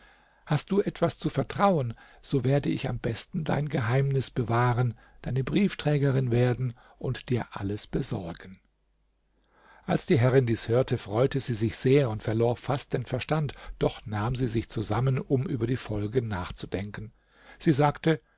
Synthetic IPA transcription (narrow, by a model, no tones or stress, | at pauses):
hast̚d̥uːʔɛtv̥ast͡sufɛɐtʁ̥aʊən | z̥oːveːɐdəɪ̰ça̰mbɛstn̩da̰ɪnɡəɦaɪmnɪsb̥əvaːʁən | d̥aɪnəbʁiːftʁ̥ɛːɡɐʁɪnveːɐdn̩ | ʔʊntd̥iːɐʔa̰ləsb̥əzɔɐɡən̩ | ʔalsd̥iːɦɛʁɪndiːshøːɐtʰəfʁ̥ɔʏtəziːzɪçz̥eːɐʊntfɛɐloːɐfast̚d̥eːnfɛɐʃtantd̥ɔχnaːmziːzɪçt͡suzamənʊmʔyːbɐdiːfɔlɡənaːχt͡sudɛŋkən̩ | z̥iːzaːktə